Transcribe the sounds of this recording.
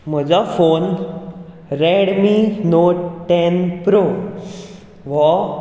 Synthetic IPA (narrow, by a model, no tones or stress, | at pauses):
m̤əd͡zafon | ɾɛɽminoʈɛnpɾo | ʋɔ